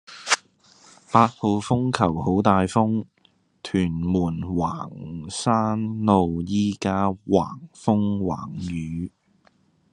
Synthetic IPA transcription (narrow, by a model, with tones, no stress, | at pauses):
paː˧t̚ho˨˧wfʊ˥ŋkʰɐ˨˩who˨˥wt̪aː˨jfʊ˥ŋ | t̪ʰyː˨˩nmuː˨˩nwaː˨˩ŋsaː˥nlo˨˧wjiː˥kaː˥wa̰ː˨˩ŋfʊ˥ŋwa̰ː˨˩ŋjyː˨˧˥